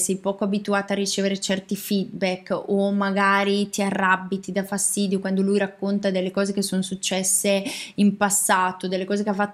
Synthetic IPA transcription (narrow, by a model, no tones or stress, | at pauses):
sɛjpɔːkoabit̪uaːt̪aːrːit͡ʃeːveɾet͡ʃɛrt̪ifid̪̚bɛkːomaɡaːɾit̪iarːabːit̪id̪afast̪iːd̪jokwand̪olujɾakːont̪ad̪elːekɔːzekesːonosut͡ʃːɛsːeimpasːaːt̪od̪elːekɔːzekeafat̪ː